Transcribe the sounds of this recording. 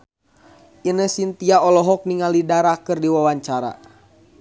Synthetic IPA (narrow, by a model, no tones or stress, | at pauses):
inəsint̪iaɔlɔɦɔk̚niŋalidaɾakɨrdiwawaɲt͡ʃaɾa̰